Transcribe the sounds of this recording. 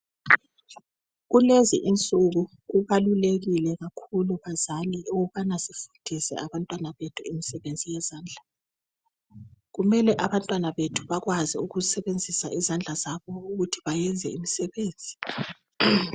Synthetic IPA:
ɣulezḭʔint͡sʼuɣu | ɣuβaluleɣilɛɣakʰuluβazaliuɣuβanasifund̥ʱisɛ̰aβantʼwanaβetʰuimisɛβend͡zʱijɛzaːnd͡ɮʱa | ɣumɛlɛʔaβantʼwanaβetʰuβaɣwaziuɣuzisɛβend͡zʱisa̰izand͡ɮʱazaβɔuɣutʰiβajɛnd͡zʱɛ̰imisɛβeːnd͡zʱi

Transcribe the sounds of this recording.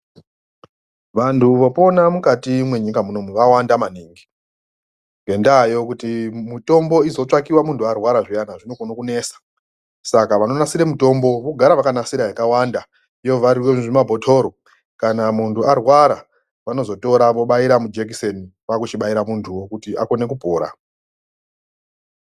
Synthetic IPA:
ʋantʰuʋo̞po̞namukatimwe̞ɲikamunomuʋawandamaniːŋɡi | ŋɡe̞ndaːjo̞kutimito̞mbo̞izo̞t͡ʂakiwamuntʰuarwaɾaʐijanaʐino̞konokune̞ːsḁ | sakaʋano̞nasiɾemuto̞mbo̞ʋo̞ɡʱaɾaʋakanasiɾajakawanda | ijoʋaɾirweʐimabʱo̞tʰo̞ːɾo | kanamuntʰuarwaɾa | ʋano̞zo̞to̞ɾaʋo̞ɓaiɾamud͡ʒek̬iseniʋakut͡ʃiɓaiɾamuntʰuwo̞kutiʔa̰ko̞ne̞kupoːɾa̰

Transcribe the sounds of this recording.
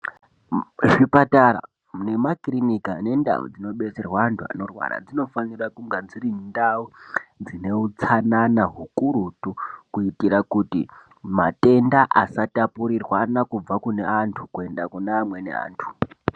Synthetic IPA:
ʐipatara̰ | ne̞makrinikane̞nda̰ṵd͡zino̞ɓe̞t͡serwaːntʰua̰no̞rwa̰ɾa̰d͡zino̞fanirakuŋɡanzirindaud͡zine̞ut͡sananaɦukuɾutukuitirakutḭ | ma̰te̞ndaʔasatapuɾirwanakub͡vakune̞antʰukue̞ndakuneamwe̞nḛa̰ːntʰu̥

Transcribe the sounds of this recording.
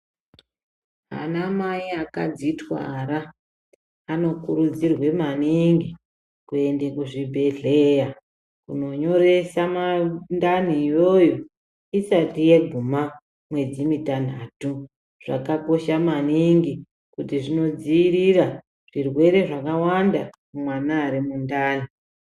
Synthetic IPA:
ɦa̰namaiaka̰d͡zitwa̰ɾa | ano̞kuɾud͡zirwe̞maniŋɡi | kue̞nde̞kuʐibʱe̞ɮe̞ja | kuno̞ɲo̞re̞samandan̤iːjo̞jo | isatije̞ɡʱuma | mwe̞d͡zimitan̤atu | ʐ̥a̰kako̞ʃamaniŋɡi | kutiʐino̞d͡ziːrira | ʐ̥irwe̞ɾe̞ʐakawanda | umwanaːɾimundaːn̤i

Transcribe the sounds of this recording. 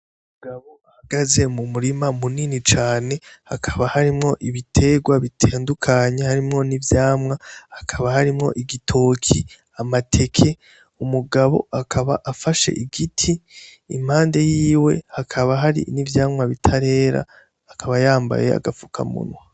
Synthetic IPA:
ummuɡaβo̞ahaɡ̥aze̞mumuɾimamuniːnit͡ʃaːne̞hakʰḁβahaɾimŋo̞ʔiβitʰe̞ɡwaβitʰeːndukʰaɲehaɾimŋo̞nivjaːmŋahakʰaβahaɾimŋo̞̰ʔiɡitʰo̞ːkʰi | amatʰe̞kʰe̞ | umuɡaβo̞̰akʰaβa̰ʔafaʃe̞̰ʔiɡitʰiː | m̥haːnde̞jiːwe̞̰hakʰaβaɦaɾḭnivjaːmŋaβitʰaɾe̞ːɾa̰ː | kʰaβajaːmba̰je̞̰a̰ɡafukʰa̰mṵnwa

